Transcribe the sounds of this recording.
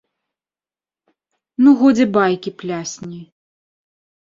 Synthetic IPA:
nuɣɔd͡zʲɛbajkʲiplʲasʲnʲi

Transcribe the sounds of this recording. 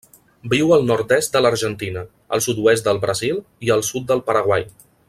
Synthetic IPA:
biwəlˠnɔɾt̪ɛst̪̚d̪ələɾʒənt̪inə | ə̰lˠsut̪uɛs̬t̪̚d̪əlˠβɾəzilˠiəlˠsut̪̚d̪əlˠpəɾəɣwaj

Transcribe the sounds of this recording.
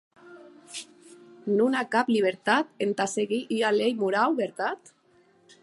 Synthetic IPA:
nunakapliβ̞eɾt̪at̪ent̪aseɣiʔialejmuɾawβeɾt̪at̪

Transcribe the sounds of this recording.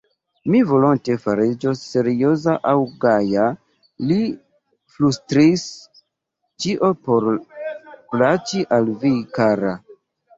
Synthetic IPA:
mivo̞lonte̞faɾid͡ʒo̞se̞ɾio̞zaʔawɡaja | li | flustɾis | t͡ʃiʔo̞po̞ɾ | plat͡ʃiʔalvikaɾa

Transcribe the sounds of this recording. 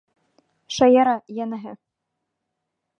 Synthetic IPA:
ʃɑjɑɾɑjænɘ̆ɦɘ

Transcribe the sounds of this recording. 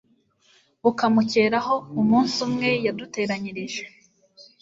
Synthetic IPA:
ukamuce̞ːɾaɦo̞umuːnsumŋe̞jadute̞ːɾaɲiɾiʒe

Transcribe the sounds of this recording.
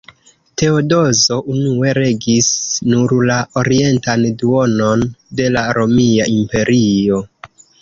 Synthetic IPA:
te̞odo̞zo̞ʔunue̞ɾe̞ɡisnuɾlaoɾie̞ntanduo̞no̞nde̞laɾo̞miaʔimpe̞ɾʔio̞

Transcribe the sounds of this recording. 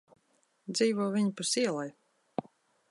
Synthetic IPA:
d̪ziːvɔɔvʲiɲipusiɛlˠaj

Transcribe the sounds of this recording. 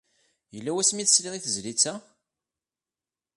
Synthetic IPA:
jəlːæwæsmiθə̥sliðiθəzlit͡sːæ

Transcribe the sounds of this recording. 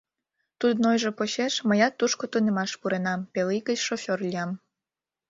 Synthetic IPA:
t̪ud̪nojʒepoɕeʃməjɑt̪ːuʃkot̪unemɑʃpuɾenɑmpeliɣət͡ɕʃofʲorlʲijɑm

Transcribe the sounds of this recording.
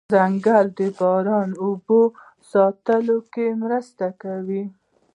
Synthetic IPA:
aŋɡald̪əbɑɾɑnubo | sɑt̪əlokemɾəst̪akawi

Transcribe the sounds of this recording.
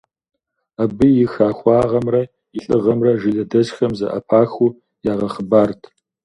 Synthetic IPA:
abɨjɪxaːxʷɑːʁɐmrɐ | ɪɬʼɨʁɐmrɐʒɪɮɐdɐʃxɐmzɐ̰ʔɐ̰pʰaːxu | jaːʁɐχəbaːrtʰ

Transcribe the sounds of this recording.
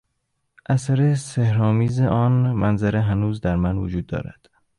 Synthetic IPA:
ʔæsæɾesehɾɒːmiːzeʔɒːnmænzæɾeɦænuːzd̪æɾmænvod͡ʒuːd̪ːɒ̰ːɾæ̰d̪̥

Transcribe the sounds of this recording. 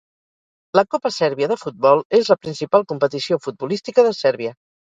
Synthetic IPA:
ləkopəsɛɾβiəðəfut̪̚bɔlˠezləpɾinsipalˠkumpət̪isiofud̪̚bulist̪ikəðəsɛɾβiə

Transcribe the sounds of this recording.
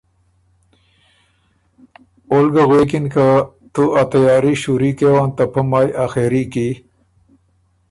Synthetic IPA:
olɡɐɣekinka | t̪uat̪ɐjɑːɾiɕuɾikewaːnt̪ɐpʰɐmaːjaxeɾiki

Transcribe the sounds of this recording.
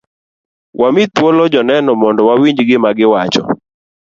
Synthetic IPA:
wʔamɪt̪̚wɔlɔd͡ʒɔnɛnɔmɔndɔwawiɲd͡ʒɡɪmaɡɪwat͡ʃɔ̰

